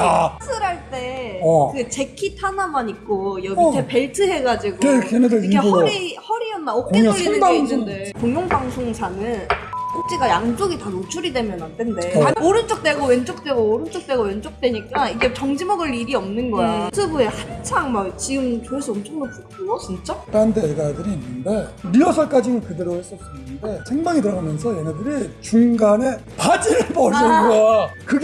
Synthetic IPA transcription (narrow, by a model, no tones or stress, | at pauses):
sʰɯɾɦaɭt͈e̞ɯɡet͡ɕe̞kʰitʰanamaɲik̚k͈ojʌɡitʰepe̞ɭtʰɯɦe̞ɡad͡ʑiɡoekeneeikʰeʌɾihʌɾiʌnːaʌkk͈einnndekoŋjoŋbaŋsʰoŋsʰanɯnsʰok̚t͡ɕ͈iɡajaŋd͡ʑ͈oɡitanot͡ɕʰuɾidwe̞mjʌnandwende̞aoɾɯnt͡ɕ͈ok̚t͈we̞ɡowent͡ɕ͈ok̚t͈we̞ɡoːɾɯnt͡ɕ͈ok̚t͈we̞ɡawent͡ɕ͈ok̚t͈we̞ɲik͈aiɡe̞t͡ɕʌŋd͡ʑimʌɡɯɭiɾiʌmnɯnɡʌjasʰɯbue̞hant͡ɕʰaŋmakt͡ɕiɡɯmt͡ɕoes͈ʰɯʌmt͡ɕʰʌŋdopukʰɯnot͡ɕint͡ɕ͈ot͈andedadɯɾiːnːɯnde̞ɾiʌsʰʌɭk͈ad͡ʑinɯnkɯdeɾohes͈ʌs͈ɯnɯɯnde̞sʰeŋmaŋidɯɾʌɡamjʌnsʰʌjenadɯɾit͡ɕuŋɡane̞pad͡ʑiɭpʌɭsʌɡakɯɡ